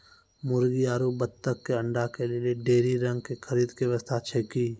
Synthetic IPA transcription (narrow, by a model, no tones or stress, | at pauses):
mʊɾɡiaːɾubət̪ːəkːeəɳɖakelɪlieɖeːɾiɾə̃ŋɡ̚kekʰəɾiːd̪keʋəst̪ʰaːt͡ʃʰekiː